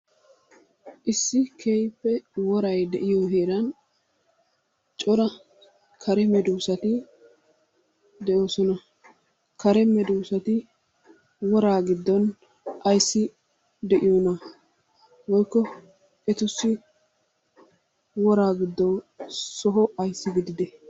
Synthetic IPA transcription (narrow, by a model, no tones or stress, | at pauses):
ʔɪsːɪkʰeːjpːɛwɔɾɐjd̪ɛʔɪjoɦeːɾɐn | t͡ʃʼɔɾɐ | kʰɐɾɛmɛd̪uːsɐt̪ɪ | d̪ɛʔo̞ːsɔnɐ | kɐɾɛmɛd̪uːsɐt̪ɪ | wɔɾaːɡɪd̪ːɔn | ʔɐjsːɪ | d̪ɛʔɪjonɐ | wɔjkːɔ | ɛt̪ʊsːɪ | wɔɾaːɡɪd̪ːɔwsɔɦɔʔɐjsːɪɡɪd̪ɪd̪ɛ